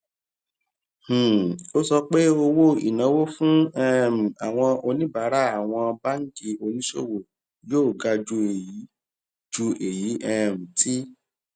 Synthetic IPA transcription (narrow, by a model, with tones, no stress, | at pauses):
h̩˨o˦sɔ˧k͡pe˦o˧wo˦ḭ˨nã˨˦wo˦fũ˦ɛ˦˨m̩˨a˨w̃ɔ̃˧o˧nĩ˦ba˨˦ɾa˦a˨w̃ɔ̃˧ba˦ŋ̩˦ki˧o˧nĩ˦ʃo̰˦˨wo˨ | joː˦˨ɡa˧d͡ʒu˧e˨ji˨˦ | d͡ʒu˧e˨ji˨˦ʔɛ˦˨m̩̃˨ti˦